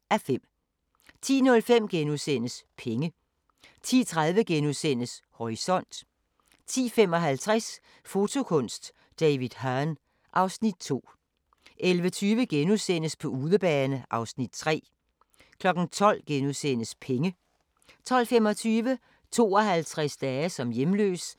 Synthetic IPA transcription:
æfem̰ | t͡sʰḭːnɔ̽lfem̰ɡ̥enusen̰əspʰeŋə | t͡sʰḭːt͡sʰʁað̞ˠʋəɡ̥enusen̰əshɒʁisɒ̽n̰d̥ | t͡sʰḭːfem̰ɒ̽ɦælt͡sʰʁas | fo̝t͡sʰo̝kʰɔ̽n̰sd̥ | d̥ɛɪʋið̥ˠɦɑn | ʔɑ̈ʊsnid̥̚t͡sʰo̝̰ː | ʔelʋət͡sʰyːʋəɡ̥enusen̰əspʰɒ̽uːðˠəb̥ɛːnəʔɑ̈ʊsnid̥̚t͡sʰʁɛ̰ː | kʰlɒ̽ɡ̥n̩t͡sʰɒ̽l̰ɡ̥enuðˠsen̰əspʰeŋə | t͡sʰɒ̽l̰femɒ̽t͡sʰyːʋə | t͡sʰo̝̰ːɒ̽ɦælt͡sʰʁasd̥ɛːsɒ̽mjemlø̰ːs

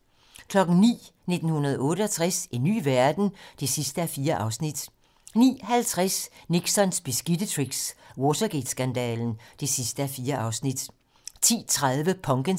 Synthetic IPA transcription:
kʰlɒ̽ɡ̥n̩nḭːne̝d̥n̩hunɐð̞ˠɔ̽ːɾəɒ̽t͡sʰʁase̝nːy̰ːʋæɐd̥n̩d̥e̝sisd̥əæɐfiːɐʔɑ̈ʊsnid̥ | nḭːhælt͡sʰʁasniɡ̥sɒ̽nsb̥isɡ̥id̥ət͡sʰʁiɡ̥swɔsʰɐɡ̥ed̥sɡ̥ænd̥ɛ̰ːln̩d̥e̝sisd̥əæfiːɐʔɑ̈ʊsnid̥ | t͡sʰḭːt͡sʰʁaðˠʋəpʰɒ̽ŋɡ̥ən

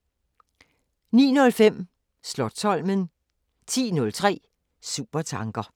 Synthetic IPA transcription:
nḭːnɔ̽lfem̰ | slɒd̥̚sʰɒ̽l̰mən | t͡sʰḭːnɔ̽lt͡sʰʁɛ̰ː | sṵːb̥ɐt͡sʰɑ̈ŋɡ̥ɐ

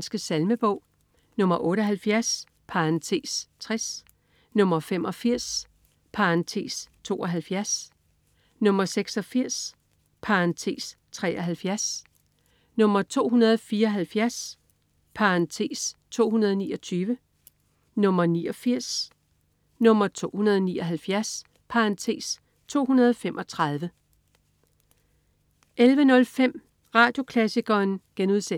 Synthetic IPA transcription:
nsɡ̥əsælməb̥ɔʊ̰ | nɔ̽mɐʔɔ̽ːɾəɒɦælfjæɐs | pʰɑ̈nt͡sʰe̝̰ːst͡sʰʁɛs | nɔ̽mɐfem̰ʔɒ̽fiɐ̰s | pʰɑnt͡sʰe̝̰ːst͡sʰo̝̰ːɒɦælfjæɐs | nɔ̽mɐseɡ̥sɒ̽fiɐ̰s | pʰɑnt͡sʰe̝ːs | t͡sʰʁɛːʔɒɦælfjæɐs | nɔ̽m̰ɐt͡sʰo̝̰ːɦunɐð̞ˠfiːɐɒ̽ɦælfjæɐs | pʰɑɑnt͡sʰe̝̰ːst͡sʰo̝̰ːɦunɐð̞ˠniːɒ̽t͡sʰyːʋə | nɔ̽m̰ɐniːɒ̽fiɐ̰s | nɔ̽m̰ɐt͡sʰo̝̰ːhunɐð̞ˠniːɒɦælfjæɐs | pʰɑ̈ɑnt͡sʰe̝̰ːs | t͡sʰo̝̰ːhunɐð̞ˠɒfem̰ʔɒ̽t͡sʰʁɑð̞ˠʋə | ʔelʋənɔ̽lfem̰ | ʁɑ̈ːd̥jo̝kʰlæsiɡ̥ɐːnɡ̥enuðˠse

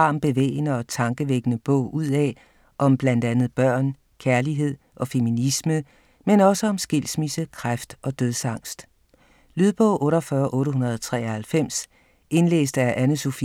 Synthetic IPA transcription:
ɑ̈ːmb̥e̝ʋḛːɪnəɒ̽t͡sʰɑ̈ŋɡ̥əʋeɡ̥ənəb̥ɔ̰ʊ̰ʔuð̰ˠɛ̰ | ʔɒ̽mb̥læn̰d̥ænð̞̩ˠb̥ɶɐ̰n | kʰæɐliɦe̝ð̞̰ˠɒ̽fe̝minismə | menɒ̽səɒ̽msɡ̥e̝l̰smisəkʰʁafd̥ɒ̽d̥øðˠsɑ̈ŋ̰sd̥ | lyð̞ˠb̥ɔ̽ʊ̰ʔɔ̽ːɾɒfɶːɐʔɔ̽ːɾəɦunɐð̞ˠɒt͡sʰʁɛ̰ːɒhælfem̰s | e̝nlḛːsd̥æɐʔænəso̝fi

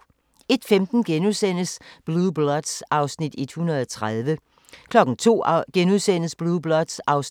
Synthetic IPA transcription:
e̝d̥femd̥n̩ɡ̥enusen̰əsb̥lub̥lɒd̥sʔɑ̈ʊsnid̥ed̥hunɐð̞ˠɒt͡sʰʁaðˠʋə | kʰlɒ̽ɡ̥n̩t͡sʰo̝̰ːɡ̥enuðˠsen̰əsb̥lub̥lɒd̥sɑ̈ʊs

